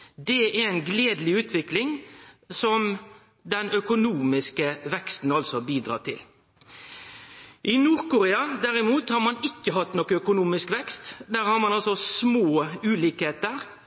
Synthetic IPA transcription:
d̪ɛæɾɛɪnɡleːd̪lɪʉːt̪ʰʋɪklɪŋsɔm | d̪ɛnœkʊnuːmɪskəʋɛkst̪n̩ɑlsɔbiːd̪ɾɑ̰ːt̪ʰɪl | ʔɪnuːɾkʊɾeːɑd̪æɾɪmuːt̪hɑɾmɑnɪkːəɦɑt̪ːnokəœkʊnuːmɪskʋɛkst̪d̪æːɾhɑɾmɑnɑlsɔsmoːʉːliːkheːt̪əɾ

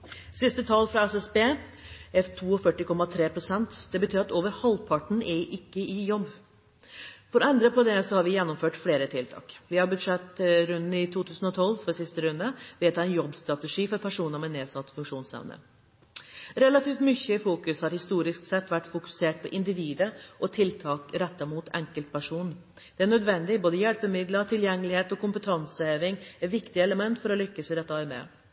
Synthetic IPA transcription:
sɪst̪ət̪ʰɑlfɾɑɛsɛsbeːɛft̪ʰuːɔfœʈːɪkʰɔmɑt̪ʰɾeːpʰɾʊsɛnt̪d̪̥ɛbət̪ʰyːɾɑt̪oːʋəɾhɑlpʰɑʈɳ̩ɛʔɪkːəʔɪjɔbː | fɔɾɔɛnd̪ɾəpʰɔd̪ɛsɔhɑɾʋɪjɛnːɔmføːʈfleːɾət̪ʰɪlt̪ʰɑ̰ːkʋɪhɑɾbʉd̪ʂɛt̪ːɾʉnd̪n̩ɪt̪ʰuːt̪ʰʉːsn̩ɔt̪ʰɔlːfɔɾsɪst̪əɾʉnəʋɛt̪ʰɑːɛnjɔbst̪ɾɑt̪ɛʂiːfɔɾpʰæʂuːnəɾmɛneːsɑt̪ːfʉŋkʂuːnsɛ̰ʋnə̰ | ɾɛlɑt̪ʰiːft̪mʏçːəɪfuːkʉshɑɾhɪst̪uːɾɪsksɛt̪ːʋæʈːfʊkʉ̥seːʈ̚pʰɔʔɪnd̪ɪʋiːd̪əʔɔt̪ʰɪlt̪ʰɑːkɾɛt̪ːɑmuːt̪ʰɛ̰ŋkəlt̪̚pʰæʂuːn | d̪̥ɛæɳœd̪ʋɛnd̪ɪboːd̪əjɛlpəmɪd̪lət̪ʰɪljɛŋːəlɪheːt̪ɔkʊmpət̪ʰɑnsəeːʋɪŋɛt̪ʋɪkt̪ɪəɛləmɛnt̪fɔɾɔlʏkːəsəɾɛt̪ːmḛː

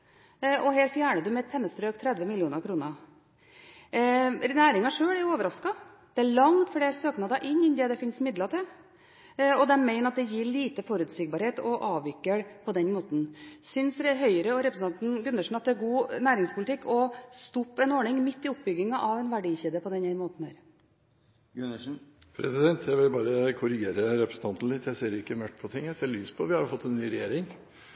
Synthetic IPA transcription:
ʔɔheːɾfjæːɳəd̪ʉmɛɛt̪̚pʰɛnːəst̪ɾøːkt̪ʰɾɛd̪ʋəmɪlɪuːnəɾkʰɾuːnə | næːɾɪŋɑʂøːɭæɾjʊoːʋəɾɑskɑ | d̪̥ɛæɭɑŋd̪fɔɖɛæɾsøːknɑːd̪ɑʔɪɲːɪnd̪ɛd̪ɛfɪnsmɪd̪lɑt̪ʰɪl | ɔd̪ɛæmæɪnɑt̪̚d̪ɛjiːɭiːt̪əfɔɾʉːt̪sɪɡ̚bɑɾheːt̪ɔʔɑːʋɪkːəɽpʰɔd̪ɛnmoːt̪n̩sʏnsɾɦœʏəɾəɔɾɛpɾəsn̩ɑnt̪n̩ɡʉnːəʂɳ̩n̩ɑt̪̚d̪ɛæɾɡuːnæːɾɪŋspʰʊlɪt̪ɪkːɔst̪ʊpːɛnɔːɳɪŋmɪt̪ːɪʊp̚ːbʏɡːɪŋɑʔɑʋɛnʋæɖiːçiːd̪əpʰɔd̪ɛnɛmoːt̪n̩hæːɾ | pʰɾɛ̰sɪd̪ɛnt̪ʰjæɪʋɪlbɑːɾəkʰʊɾɪɡeːɾəɾɛpɾəsn̩t̪ɑnt̪n̩lɪt̪ːjæɪseːɾɪkːəmœʈ̪ːpʰɔt̪ʰɪŋjæɪseːɭyːspʰɔʋɪhɑɾfɔt̪ːɛnnːyːɾɛjeːɾɪŋ

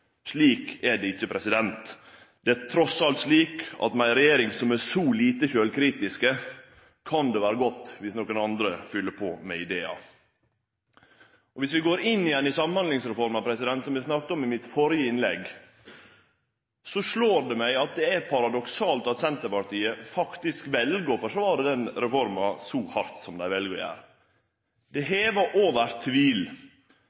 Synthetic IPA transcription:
ʂliːkɛɖɛɪçːəpʰɾɛsɪd̪ɛnt̪ | d̪̥ɛæt̪ʰɾɔsɑlt̪ʂliːkɑ̰t̪mæɪɾɛjeːɾɪŋsɔmæsɔliːt̪əʃøːlkʰɾiːt̪ɪskə | kʰɑnd̪ɛʋæːɾəɡɔt̪ːʋɪsnokənɑnd̪ɾəfʏlːəpʰɔ̰ːmɛ̰ɪd̪eːɑ̰ | ɔʋɪsʋɪɡoːɾɪnːɪjɛnːɪsɑmnhɑnd̪lɪŋsɾɛfɔɾmənɑpʰɾɛsɪd̪ɛnt̪sɔmjæsnɑk̚t̪əɔmɪmɪt̪fɔɾjəɪnlɛɡ | sɔʂɭoːɾɖɛmæɪɑt̪̚d̪ɛæpʰɑɾɑd̪ɔksɑːlt̪ɑt̪sɛnt̪əpɑʈiːəfɑkt̪ɪskʋɛlɡəfɔʂɔʋɑɖɛd̪ɛnɾɛfɔɾmɑsɔhɑɾt̪sɔmd̪æɪʋɛlɡəjæ̰ːɾ | d̪̥ɛɦeːʋəʔoːʋəɾt̪ʰʋiːl

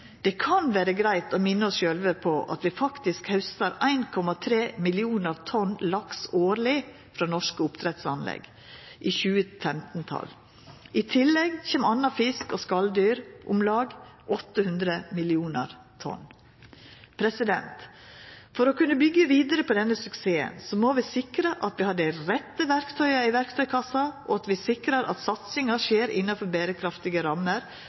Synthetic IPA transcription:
d̪̥ɛkʰɑnʋæːɾəɡɾæɪt̪oːmɪnːəɔsʃøːlʋəpʰɔʔɑ̰t̪ʋɪfɑkt̪ɪskhœʉst̪əɾæɪnkʰɔmɑt̪ʰɾeːmɪlɪuːnəɾt̪ʰɔnlɑksoːɾlɪ | fɾɑːnɔʂkəʊpt̪ʰɾɛt̪sɑnlɛ̰ɡ | ʔiːçʉːəfɛmt̪nt̪ʰɑ̰l | ɪt̪ʰɪlɛɡçeːmɑnːɑfɪskɔskɑld̪yːɾʔʊmlɑːɡʔɔt̪ːəhʉnd̪ɾəmɪlɪuːnəɾ | t̪ʰɔ̰n | pʰɾɛsɪd̪ɛ̰nt̪ | fɔɾɔkʉnːəbʏɡːəʋiːd̪əɾəpʰɔd̪ɛnːəsʉkseːə̰nsɔmoːʋɪsɪkɾəʔɑt̪ʋɪhɑd̪əɾɛt̪ːəʋæɾkt̪ʰœʏɑɪʋæɾkt̪ʰœʏkʰɑsɑʔoɑt̪ʋɪsɪkɾɑɾɑ̰t̪sɑt̪sɪŋɑʂeːɾɪnːɑfɔɾbeːɾəkʰɾɑft̪ɪɡəɾɑmːəɾ

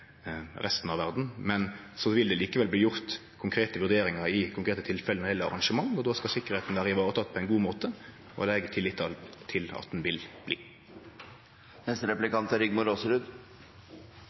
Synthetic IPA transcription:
ʁɛst̪n̩ɑʋæʁd̪n̩mɛn | sɔʋɪld̪ɛliːkəʋɛlb̪iːjʊʁt̪ | kʰʊŋkʰɾeːt̪əʋʉʁd̪eːɾɪŋɑɾɪkʰʊŋkʰɾeːt̪ət̪ʰɪlfɛlənəɛlːəɑ̰ʁɑŋʂəmɑŋːɔd̪oːskɑsɪkːəʁheːt̪n̩ʋæːɾəɪʋɑːʁət̪ʰɑt̪̚ːpʰɔɛɪnɡuːmoːt̪ə | ɔ̰d̪ɛɡət̪ʰɪlːɪt̪ʰːɑlt̪ʰɪlɑ̰t̪̚d̪n̩ʋɪlb̥lḭː | nɛst̪əɾɛplɪkɑnt̪æɾʏɡmʊɾoːsəɾʉd̪

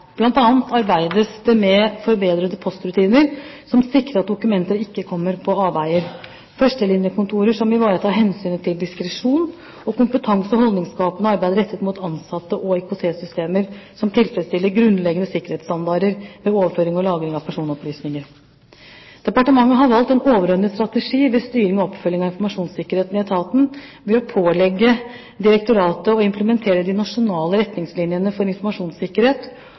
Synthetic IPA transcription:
b̥lɑnt̪ɑːnt̪ʰɑɾbæɪd̪əsd̪ɛmɛfɔɾbeːd̪ɾəd̪əpʰɔst̪ɾʉt̪ʰiːnəɾ | sɔmsɪkːɾəɾɑt̪̚d̪ʊkʉmɛnt̪əɾɪkːəkʰɔmːəɾpʰɔɑːbæɪəɾ | fœʂʈəlɪnjəkʰʊnt̪ʰuːɾəʂɔmɪʋɑːɾət̪ʰɑːɾɦɛnsyːnt̪ʰɪld̪ɪskɾəʂuːn | ɔkʊmpət̪ʰɑŋsɔɦɔld̪nɪŋskɑːpənəɑɾbæɪd̪əɾɛt̪ːət̪muːt̪ɑnsɑt̪ːəʔɔɛkʊsʰeːsʏst̪eːməɾsɔmt̪ʰɪlfɾətst̪ɪlːəɾɡɾʉnlɛɡənəsɪkːəɾheːt̪st̪ɑnd̪ɑːɾəɾʋɛoːʋəføːɾɪŋɔlɑːɡɾɪŋɑʋpʰæʂuːnɔplyːsnɪŋəɾ | d̪̥ɛpɑʈəmɑŋːəɦɑɾʋɑlt̪ɛnoːʋəɾœnːəst̪ɾɑt̪əʂiːʋɛst̪yːɾɪŋɔɔpfœlːɪŋɑʋɪnfɔɾmɑʂuːnsɪkːəɾeːt̪nɪɛt̪ʰɑːt̪n̩ | ʋɛɔpʰoːlɛɡːə | d̪ɪɾɛk̚t̪ʊɾɑːt̪əɔɪmpləmɛnt̪ʰeːɾəd̪ɪnɑʂʊnɑːləɾɛt̪nɪŋslɪnjənəfɔɾɪnfɔɾmɑʂuːnsɪkːəɾheːt̪

